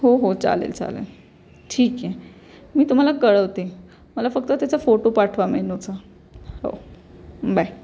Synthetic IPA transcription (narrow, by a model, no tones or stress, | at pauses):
ɦoɦot͡sa̰lḛlt͡sa̰lḛl | ʈʰiːkje | miːt̪um̤alakəɭəʋt̪e | məlafək̚t̪ət̪jat͡safoʈopaʈʰʋaɾmenot͡sa | ɦo̰ | baj